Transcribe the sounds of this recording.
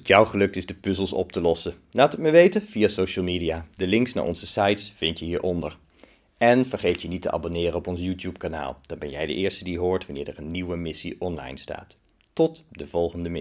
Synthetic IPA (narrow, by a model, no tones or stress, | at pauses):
tjawχəlɵk̚tɪzdəpʏzəlˠsɔ̰p̚təlɔsə | laːtəkməʋejtəv̥ijaːsowʃəlˠmiːdijaːdəlɪŋksna̰ːʔɔ̰nzəsajtsfɪntjəɦiːɹʔɔndəɹ | ɛnv̥əɹχejtjənitəʔa̰bonɪːɾənɔpɔns̬jutjupkana̰ːlˠd̥ɑnbɛnjɛjdə̰ʔɪːɹstədiɦʊːɹtʋanɪːɹɛrənːiwəmɪsiʔɔnlɑ̰jnsta̰ːt | tɔtdəv̥ɔlˠχəndəmɪ